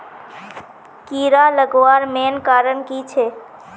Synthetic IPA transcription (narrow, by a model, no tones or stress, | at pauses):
kiːɾaləɡʋaːɾmeːnkaːɾənkit͡ʃʰe